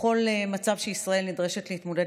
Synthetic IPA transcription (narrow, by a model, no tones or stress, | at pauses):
o̞lmat͡savʃeisʁae̞lnidʁeʃetleit̪moda